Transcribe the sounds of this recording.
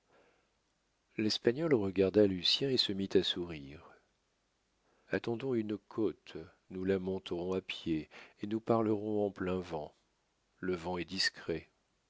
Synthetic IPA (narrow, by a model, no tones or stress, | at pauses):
lɛspaɲɔlʁəɡaʁd̪alysjɛ̃esəmit̪asuʁiʁ | at̪ɑ̃d̪ɔ̃ynkʰot̪ | nulamɔ̃t̪ʁɔ̃apjeenupaʁləʁɔ̃ɑ̃plɛ̃vɑ̃ | ləvɑ̃ɛd̪iskχɛ